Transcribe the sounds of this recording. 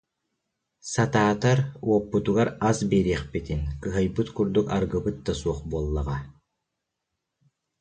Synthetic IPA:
sat̪aːt̪aɾuɔpːut̪uɡaɾazbɛɾiχpit̪inkɯɦajbɯt̪kuɾd̪ukaɾɡɯbɯt̪̚d̪asuɔχbuɔlˠːaʁa

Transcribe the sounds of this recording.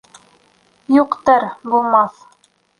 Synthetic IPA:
juqt̪ɤɾbulˠmɑθ

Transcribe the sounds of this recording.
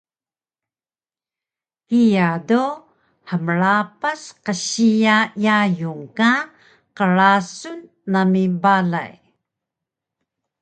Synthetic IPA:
ijado | həməɭapasqəɕijajajuŋka | qəɭasunː | amibala̰j

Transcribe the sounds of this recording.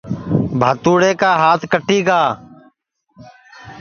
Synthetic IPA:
bʱaːt̪uːɽeːkaːɦaːt̪ʰkəʈiːɡaː

